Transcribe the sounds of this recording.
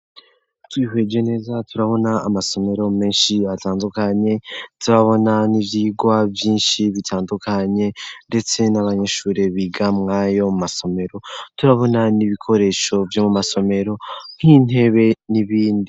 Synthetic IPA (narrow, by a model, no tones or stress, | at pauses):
twiːhwe̞ːd͡ʒe̞ne̞ːzatʰuɾaβo̞naːmaso̞me̞ɾo̞me̞ːnʃiataːndukaɲe̞tiβaβo̞nanivjiːɡwavjiːnʃiβitʰaːndukʰaɲe̞nde̞t͡se̞naβaɲeʃuːɾe̞βiɡamŋaːjo̞mumaso̞me̞ɾo̞tuɾaβo̞naniβikʰo̞ɾe̞ʃo̞vjomumaso̞me̞ɾo̞ŋ̥hiːn̥he̞βe̞niβiːndi